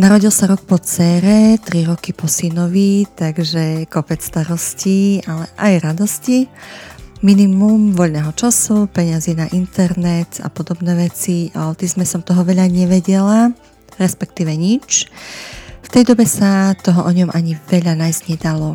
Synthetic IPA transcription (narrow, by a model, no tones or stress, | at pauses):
naɾɔɟilˠsaɾɔk̚pɔt͡sɛːɾɛt̪ɾiɾɔkipɔsinɔʋit̪aɡʒɛkɔpɛt͡sst̪aɾɔscialɛʔajɾad̪ɔsci | minimumʋɔʎnɛːɦɔt͡ʃasupɛɲazinaʔint̪ɛɾnɛt̪a̰pɔd̪ɔbnɛːʋɛt͡siaɔt̪izmɛsɔmt̪ɔɦɔʋɛʎaɲɛʋɛɟɛla | ɾɛspɛk̚t̪iːʋɛɲit͡ʃ | ft̪ɛjd̪ɔbɛsat̪ɔɦɔʔɔɲɔmaɲiʋɛʎanajzɲɛd̪alɔ